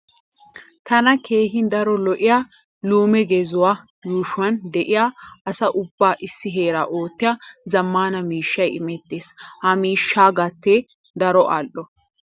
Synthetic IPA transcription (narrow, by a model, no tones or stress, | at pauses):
t̪ɐnɐkʰe̞ːɦɪnd̪ɐɾɔlɔʔɪjaː | luːmɛɡɛzʊwaː | juːʃʊwɐnd̪ɛʔɪjaːɐsɐʔʊbːaːʔɪsːɪɦeːɾaːʔo̞ːt̪ːɪjaːzɐmːaːnɐmiːʃːɐjɪmɛt̪ːeːshɐmiːʃːaːɡɐt̪ːe | d̪ɐɾɔʔa̰lʔɔ